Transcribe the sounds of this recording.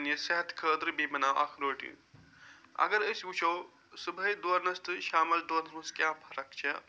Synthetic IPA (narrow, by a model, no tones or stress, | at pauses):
njɐsɐɦɐt̪ʰkʰəːd̪ɾbimɐnawʔɐ̰kʰɾoːʈḭn | ɐ̰ɡɐɾəjsut͡ʃʰɐw | subʱɐjd̪woɾnɐst̪ɨʃaːmɐld̪oːɾnɐuskjãːbʰʱɐɾɐkt͡ʃʰe